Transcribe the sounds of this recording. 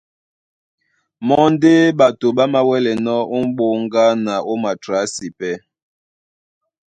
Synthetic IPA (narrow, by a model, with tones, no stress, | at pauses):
mɔ˦n̩˦de˦ba˨to˨ɓa˦ma˦wɛ˦lɛ˨nɔ˦o˦m̩˦ɓo˦ŋ˦ɡa˦na˨o˦ma˨tɾa˨˦si˨pɛ˦